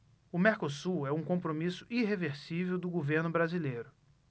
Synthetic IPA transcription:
ʊmeɾkosuɛũkõpɾomisʊ̥ʔiɦeveɾsivewd̪ʊɡoveɾnʊbɾazilejɾʊ

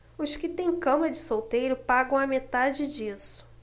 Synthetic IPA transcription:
ʊʃkɪt̪ẽj̃kɐ̃mɐd͡ʒɪsowt̪ejɾʊpaɡɐ̃w̃ɐmet̪ad͡ʒɪd͡ʒisʊ̥

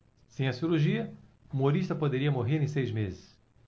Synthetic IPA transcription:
sẽj̃ɐsiɾuɾʒiɐumoɾiʃt̪ɐpod̪eɾiɐmoɦeɾẽj̃sejzmezɪs

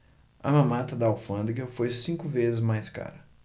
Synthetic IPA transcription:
ɐ̰mɐ̃mat̪ɐd̪ɐawfɐ̃d̪ɾɡɐfojsĩkʊvezɪzmajska̰ɾɐ

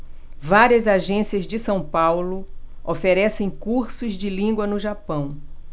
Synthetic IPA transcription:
vaɾiɐzaʒẽsiɐzd͡ʒɪsɐ̃w̃pawlʊ | ofeɾɛsẽj̃kuɾsʊzd͡ʒɪlĩŋɡwɐnʊʒapɐ̃w̃

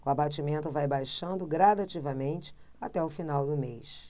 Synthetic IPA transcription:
ʊabat͡ʃimẽnt̪ʊvajbajʃɐ̃nd̪ʊɡɾad̪at͡ʃivɐmẽnt͡ʃɪ̥ | at̪ɛʊfinawd̪ʊmejʃ

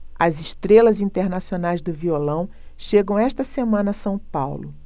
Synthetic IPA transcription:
ɐzɪʃt̪ɾelɐzĩnt̪eɾnasionajzd̪ʊviolɐ̃w̃ʃeɡɐ̃w̃ɛʃt̪ɐsemɐ̃nɐsɐ̃w̃pawlʊ

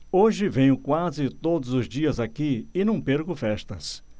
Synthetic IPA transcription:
oʒɪvẽjʊkwazɪt̪od̪ʊzʊzd͡ʒiɐzakiɪnɐ̃w̃peɾɡʊfɛst̪ɐs

